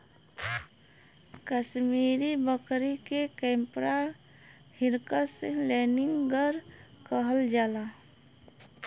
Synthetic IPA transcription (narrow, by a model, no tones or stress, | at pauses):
kəʃmiːɾibəkɾikekɛmpɾa | hiɾkəselɛniŋɡɡəɾ | kəɦəld͡ʒala